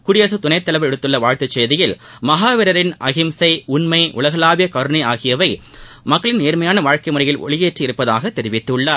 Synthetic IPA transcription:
kʊɽɪjɐs̬ɯt̪ʊnɐɪt̪ːɐlɐɪʋɾɛɽɯt̪ːɯlːɐʋaːɻt̪ɯt͡ʃːeːðɪjɪlmɐɦaːʋɪɾɐɾɪnʔɐɣɪmsɐɪʊnmɐɪʔʊ̰lɐɣɐlaːʋɪjɐkɐɾɯnɐɪaːɣɪjɐʋɐɪ | mɐkːɐɭɪneːɾmɐjaːnɐʋaːɻkɐɪmʊɾɐjɪlʔɔ̰ɭɪjeːʈriɪɾɯpːɐða̰ːɣɐt̪ːɛɾɪʋɪt̪ːɯɭːa

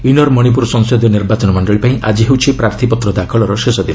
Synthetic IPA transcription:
inɔɾmɔɽ̃ip̬uɾsɔŋsod̪jɔniɾbat͡ʃɔnɔmɔɳɖɔɭipaĩʔad͡ʒiɦewt͡ʃʰipɾaɾt̪ʰipɔt̪ɾɔd̪akʰɔɭɔɾɔʃesɔd̪i

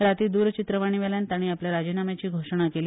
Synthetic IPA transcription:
ɾat̪id̪uɾt͡ɕit̪ɾəʋaɽ̃iʋɛljant̪aɽ̃iːapljaɾad͡ʑinamat͡ɕiːɡʱoʂəɳ̃akeliː

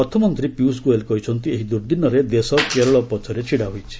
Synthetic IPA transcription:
ɔt̪ʰɔmɔnt̪ɾipjus̬kuelkɔɦit͡ʃʰɔnt̪ieɦid̪uɾd̪inːɔɾed̪esɔkeɾɔɭɔpɔt̪ʰɔɾet͡ʃʰiɽaɦojt͡ʃʰi̥

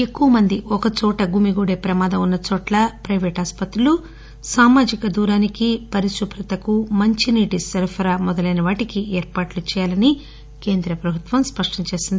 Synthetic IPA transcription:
e̞kːuʋɐmɐnd̪iʔɔkɐt͡ʃɔːʈɐɡumiɡuːɽeːpɾɐmaːd̪ɐunːɐt͡ʃɔːʈlɐpɾɐjʋeːʈaːspɐt̪ɾulu | saːmaːd͡ʒikɐd̪uːɾaːnikipɐɾiʃupʰɾɐt̪ɐkumɐɲt͡ʃiniːʈisɐɾpʰɐɾaːmɔd̪ɐlɐjnɐʋaːʈikiʔeːɾpaːʈlut͡ʃɛːjaːlɐni | ke̞ːnd̪ɾɐpɾɐbʱut̪ʋɐmspɐʂʈɐɲt͡ʃeːsind̪i

